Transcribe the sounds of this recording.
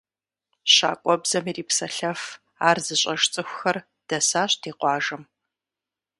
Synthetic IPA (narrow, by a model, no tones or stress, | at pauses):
ɕa̰ːkʷʼɔbzɐmiːriːpsɐɬɐf | aːrzɨɕʼɐʒt͡sʼɨxʷxɐr | d̥ɐsaːɕd̥eːqʷɑːʒɨm